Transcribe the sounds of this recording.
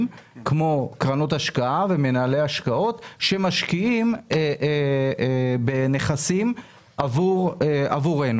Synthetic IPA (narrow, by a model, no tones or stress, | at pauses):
mkmo̞kʁano̞t̪aʃkaʔavemenaːlejaʃkao̞tʃe̞maʃkiime | bene̞χasim | ʔavuʁa̰vuʁe̞nu